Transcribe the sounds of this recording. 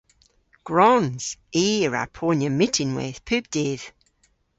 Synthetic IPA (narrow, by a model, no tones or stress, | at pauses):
ɡ̥ɹɔnz̥iːəɹa̰ɹpʰonjəmɪtʰɪ̃nwɪ̰ð̥pʰʉb̚d̥ið̥